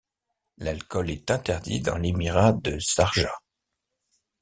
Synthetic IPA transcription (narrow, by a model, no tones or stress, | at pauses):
lalkɔlɛt̪ɛ̃t̪ɛʁd̪ḭd̪ɑ̰̃lemiʁad̪əsaʁʒa̰